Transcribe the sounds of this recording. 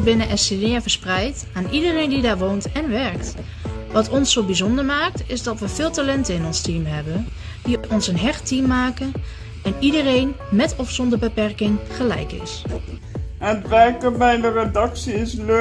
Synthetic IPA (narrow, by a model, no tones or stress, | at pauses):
bɪnəʔɛsenɪːvəɹsprɛjt | aːnʔidərejndidaːɹʋowntɛnʋɛɹkt | ʋɑtɔnsowbizɔndəɹmaːk̚tɪzdɑtʋəv̥ɪːlˠtaːlɛntəɪnɔnstimɦɛbə | diɔnsənɦɛχtimːaːkən | ɛnidərejn | mɛtɔfsɔndəɹbəpɛɹkɪŋχəlɛ̰jkɪ̰s | ətʋɛɹkəmɛjnəredɑksiɪslø